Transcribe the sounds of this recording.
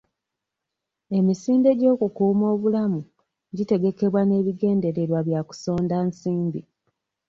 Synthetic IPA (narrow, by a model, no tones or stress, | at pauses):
e̞misiːnde̞ɟo̞ːkukuːmo̞ːβulamu | ɟite̞ɡe̞ke̞βwane̞ːβiɡe̞ːnde̞ɾe̞ɾwaβjaku̥so̞ːndansiːmbi